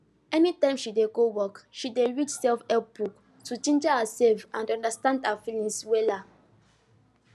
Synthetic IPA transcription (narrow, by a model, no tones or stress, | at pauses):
ɛnitãɪ̃mʃideɡowɔkʃideɹidsɛlfɛbuk | tut͡ʃĩnd͡ʒahəsɛlfãndɔ̃ndastãndafilĩŋswɛla